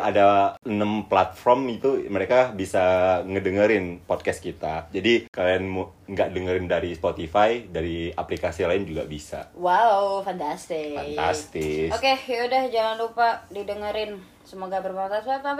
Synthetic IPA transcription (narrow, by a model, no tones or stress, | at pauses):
adaənəmplat̪̚fɔrmit̪uməɾekabisaŋədəŋəɾɪnpɔd̚kɛs̚kit̪ad͡ʒadikalianm | ŋɡaʔdəŋəɾɪndaɾispot̪ifajdaɾiaplikasilaɪnd͡ʒuɡa̰bisa̰wawfant̪ast̪ɪfana̰st̪ɪsokejaudahd͡ʒaŋanlupadidəŋəɾɪn | səmoɡabərpɔkasapa